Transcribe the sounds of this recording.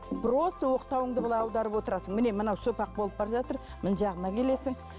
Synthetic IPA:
b̥ɪɾost̪əwo̞qt̪ɑwəɴd̪əbɑlˠɑjɑwd̪ɑɾəpwo̞t̪əɾɑsəŋmɪne̞mənɑwsopɑq̚bo̞lˠəp̚bɑɾʒɑt̪əɾ | mɪnʒɑʁənɑkʲʰe̞le̞sɪŋ

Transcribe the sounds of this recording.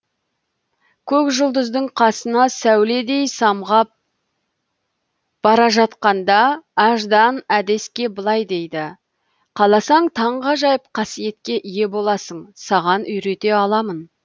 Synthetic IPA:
kʲʰɵkʒʊlˠd̪əzd̪əɴqʰɑsənɑsæwle̞d̪e̞jsɑmʁɑp̚ | b̥ɑɾɑʒɑt̪qɑnd̪ɑːʒd̪ɑnæd̪e̞skʲe̞bəlˠɑjd̪e̞jd̪ɪ | qʰɑlˠɑsɑɴt̪ʰɑɴʁɑʒɑjəp̚qʰɑsije̞t̪kʲe̞ʔije̞bo̞lˠɑsəɴsɑʁɑnʏjɾe̞t̪e̞ɑlˠɑmən

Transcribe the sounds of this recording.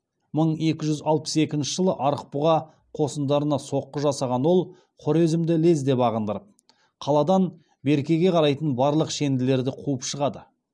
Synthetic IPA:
məɴe̞kʲɪʒʏzɑlˠpə̥se̞kʲɪnʃɪʒəlˠəʔɑɾəq̚pʊʁɑ | qʰo̞sənd̪ɑɾənɑso̞qːəʒɑsɑʁɑnwo̞lˠ | qʰʊɾe̞zɪmd̪ɪle̞zd̪e̞pɑʁənd̪əɾəp̚ | qʰɑlˠɑd̪ɑn | be̞ɾkʲe̞ɡʲe̞qʰɑɾɑjt̪ənbɑɾlˠəqʃe̞nd̪ɪle̞ɾd̪ɪqʰuəpʃəʁɑd̪ə

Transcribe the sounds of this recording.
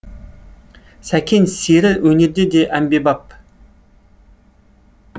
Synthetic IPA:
sækʲʰensiɾɪwɵneɾd̪ed̪eʔæmbebɑp̚

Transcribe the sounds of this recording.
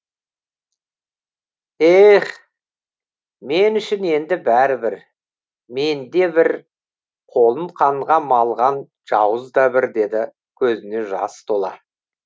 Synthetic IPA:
eχ | me̞nʏʃɪne̞nd̪ɪbæɾɪbɪɾ | me̞nd̪e̞bɪɾ | qʰo̞lˠəɴqʰɑɴʁɑmɑlˠʁɑn | ʒ̥ɑwəzd̪ɑbɪɾd̪e̞d̪ɪ | kʲʰɵzɪne̞ʒɑ̰st̪ʰolˠɑ̰

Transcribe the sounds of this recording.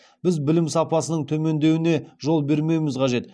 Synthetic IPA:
b̥ɪzbɪlɪmsɑpɑsənəɴt̪ʰɵme̞nd̪e̞wɪne̞ʒo̞lˠbe̞ɾme̞jmɪzqʰɑʒe̞t̪

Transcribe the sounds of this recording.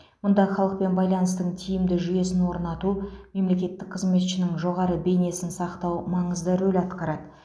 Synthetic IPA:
mʊnd̪ɑχɑlˠəq̚pe̞nbɑjlˠɑnəst̪əɴt̪ʰijɪmd̪ɪʒʏje̞sɪnwo̞ɾnɑt̪ume̞mle̞kʲe̞t̪ːɪk̚qʰəzme̞t̪ʃɪnɪŋʒo̞ʁɑɾəbe̞jne̞sɪnsɑqt̪ɑwmɑɴəzd̪əɾɵlɑt̪qɑɾɑd̪ə

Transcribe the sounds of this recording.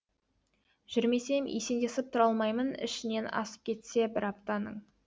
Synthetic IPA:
ʒ̥ʏɾme̞se̞mḛse̞nd̪esɪp̚t̪ʰʊɾɑlˠmɑjmənɪ̰ʃɪne̞nɑ̰sə̥p̚kʲʰe̞t̪se̞bɪɾɑp̚t̪ɑnəɴ

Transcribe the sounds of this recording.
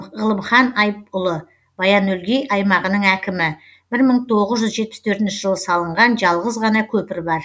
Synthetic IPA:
ʁəlˠəmχɑnɑjp̚ʊlˠə | b̥ɑjɑnɵlɡʲe̞jʔɑjmɑʁənəɴækʲɪmɪ | b̥ɪɾməɴt̪ʰo̞ʁəzʒʏzʒe̞t̪̚pɪ̥st̪ʰɵɾt̪ɪnʃɪʒəlˠəsɑlˠəɴʁɑnʒɑlˠʁəzʁɑnɑkʲʰɵpɪɾbɑɾ

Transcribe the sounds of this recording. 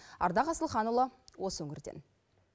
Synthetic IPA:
ɑ̰ɾd̪ɑʁɑsəlˠχɑnulˠɑwo̞səwɵŋɪɾd̪e̞̰n

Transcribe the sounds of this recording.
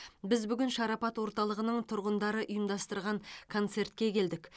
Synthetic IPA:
bɪzbʏɡʲɪnʃɑɾɑpɑt̪wo̞ɾt̪ɑlˠəʁənəɴt̪ʰʊɾʁənd̪ɑɾəʔʊjəmd̪ɑst̪əɾʁɑŋkʰo̞nt̪se̞ɾt̪kʲe̞kʲʰe̞ld̪ɪk

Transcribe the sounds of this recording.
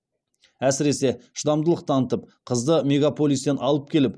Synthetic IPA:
æsɪɾe̞se̞ʃəd̪ɑmd̪əlˠəq̚t̪ʰɑnət̪əp̚qʰəzd̪əme̞ɡapo̞lʲˠijst̪enʔɑlˠəp̚kʲe̞lɪp

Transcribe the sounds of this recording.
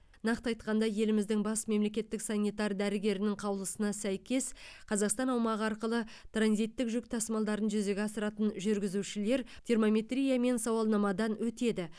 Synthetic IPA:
nɑqt̪ɑjt̪̚qɑnd̪ɑje̞lɪmɪzd̪ɪŋbɑsme̞mle̞kʲe̞t̪ːɪksɑnʲːijt̪ɑrd̪æɾɪɡʲe̞ɾɪnɪŋqʰɑwəlˠəsənɑsæjkʲe̞sqʰɑzɑqst̪ɑnɑwmɑʁəɑɾqəlˠət̪ranzijt̪ːɪkʒʏk̚t̪ʰɑsmɑlˠd̪ɑɾənʒʏze̞ɡʲeɑsəɾɑt̪ənʒʏɾɡʲɪzuʃɪle̞ɾt̪ʲʰermo̞mʲe̞t̪rʲijame̞nsɑwɑlˠnɑmɑd̪ɑnwɵt̪e̞d̪ɪ

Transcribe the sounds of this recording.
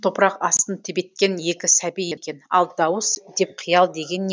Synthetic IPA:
t̪ʰo̞pɾɑqɑst̪ənt̪ʰɪbe̞t̪̚kʲe̞nje̞kʲɪsæbijekʲe̞nɑ̰lˠd̪ɑwəsd̪e̞p̚qʰijɑlˠd̪e̞ɡʲe̞nːe

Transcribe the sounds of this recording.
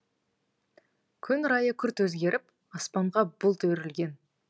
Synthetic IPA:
kʲʰʏnɾɑjəkʲʰʏɾt̪wɵzɡʲe̞ɾʔɪp | ɑspɑɴʁɑbʊlˠt̪ʰɵɾɪlɡʲe̞n

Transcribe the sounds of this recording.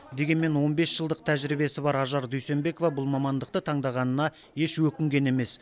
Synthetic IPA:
d̪e̞ɡʲe̞nme̞nwo̞nbe̞sʒ̥əlˠd̪əq̚t̪ʰæʒɾibe̞sɪbɑɾɑʒɑɾd̪ɵjse̞mbe̞ko̞vɑbʊlˠmɑmɑnd̪əq̚t̪ət̪ʰɑɴd̪ɑʁɑnənɑ | je̞ʃwɵkʲɪŋɡʲe̞ne̞me̞s

